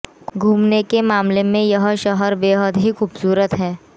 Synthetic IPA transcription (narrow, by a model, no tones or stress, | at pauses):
ɡɡʱuːmnekemaːmlemẽjɐɦʃɔɦəɾbeːɦəd̪ɦixuːbsuːɾət̪ɦɛː